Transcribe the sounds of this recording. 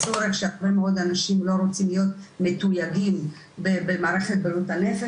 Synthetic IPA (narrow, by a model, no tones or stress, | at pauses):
t͡soɾekʃeaʁbe̞meo̞d̪anaʃimlo̞ɾo̞t͡simlijo̞t̪met̪ujaɡim | bebemaːʁe̞χe̞t̪̚balut̪ane̞fe